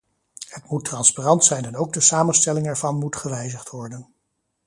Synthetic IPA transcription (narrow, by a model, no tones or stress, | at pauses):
hətmutrɑnsparɑntsɛjnɛnowɡ̚dəsaːmənstɛlɪŋɛɹvɑnmutχəʋɛjzəχtʋɔɹdən